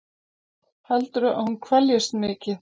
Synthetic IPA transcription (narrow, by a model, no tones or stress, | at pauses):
halt̪ʏɾʏʔa̰ðhunkʰvɛljʏst̪mɪːcɪθ